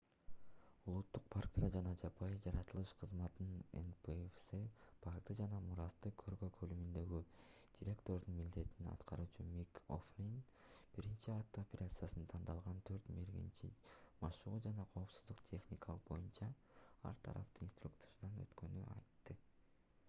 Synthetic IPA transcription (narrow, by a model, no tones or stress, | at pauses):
ulˠut̪ːuq̚pʰarkt̪ɾɑd͡ʒɑnɑd͡ʒɑpʰɑjd͡ʒɑɾɑt̪ɯlˠɯʃqʰɯzmɑt̪nɯnḛnpefsɨpʰarkt̪ɯd͡ʒɑnɑmuɾɑst̪ɯkʰøɾɡøkʰølymynd̪ø̞ɡy | d̥ʲiɾʲe̞kt̪o̞ɾd̪unmild̪e̞t̪ininɑ̰t̪qʰɑɾuːt͡ʃɯmiko̰flʲin | b̥iɾint͡ʃiat̪ːoopʲe̞ɾat̪sɨjasɯnt̪ʰɑnd̪ɑlˠʁɑnt̪ʰø̞ɾt̪meɾɡḛnt͡ʃimɑʃuʁud͡ʒɑnɑqʰo̞ːpsuzd̪uqt̪ʲʰe̞xnʲikʰɑlˠɯqbo̞̰junt͡ʃɑ | ɑ̰ɾt̪ʰɑ̰ɾɑ̰pt̪ɯinst̪ɾukt̪seɾd̪ɑnø̰t̪kø̞ny̰ɑ̰jt̪ːɯ